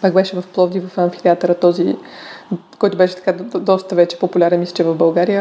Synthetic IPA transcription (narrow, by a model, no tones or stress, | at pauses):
paɡbɛʃɛvɐfplˠɔvd̪ivɐfɐ̃ɱfi̥t̪ɛat̪əɾət̪ɔzi | kɔjt̪ʊbɛʃɛt̪ɐ̥kad̪ɔst̪əvɛt͡ʃɛ̥populʲaɾɛnmislɛ̥t͡ʃɛvɐvbɐlˠɡaɾijə